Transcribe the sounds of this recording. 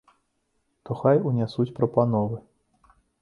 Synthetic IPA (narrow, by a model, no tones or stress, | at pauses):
t̪ɔxajunʲasut͡sʲpɾɐpanɔvɨ